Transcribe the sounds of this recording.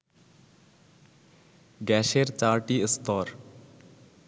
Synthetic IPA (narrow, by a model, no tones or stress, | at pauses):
ɡɛːʃeːɾt͡ʃaːɾʈiːɪst̪ɔːɾ